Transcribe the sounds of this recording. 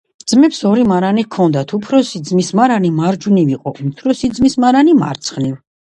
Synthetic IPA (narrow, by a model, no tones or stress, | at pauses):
d̪z̥mɛpsɔɾimaɾanikʰɔnd̪at̪ʰupʰɾɔsid̪zmismaɾanimaɾd͡ʒuniviqʼɔut̪ʰɾɔsid̪zmismaɾanima̰ɾt̪sʰχniv